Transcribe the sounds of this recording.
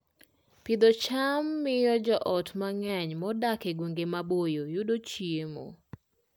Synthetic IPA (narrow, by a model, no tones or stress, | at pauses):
pɪd̪ɔt͡ʃamːɪjɔd͡ʒɔʔɔtmaŋɛɲmɔdakeɡweŋɡemabojojudot͡ʃjiemo̰